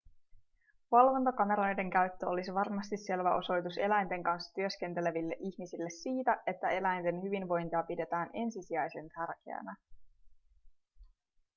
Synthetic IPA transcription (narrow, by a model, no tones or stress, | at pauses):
ʋɑlʋo̞nt̪ɑkɑmeɾɑojde̞ŋkæɥt̪ːøo̞lisiʋɑrmɑst̪isːe̞lʋæʔo̞so̞jt̪use̞læjnt̪e̞ŋkɑnsːɑ̥t̪yø̞ske̞nt̪e̞le̞ʋilːe̞ʔiçmisilːe̞siːt̪æe̞t̪ːæe̞læjnt̪e̞nhyʋinʋo̞jnt̪iɑpide̞t̪æːnʔe̞nsisiɑjse̞nt̪ʰærk̟e̞̰æ̰næ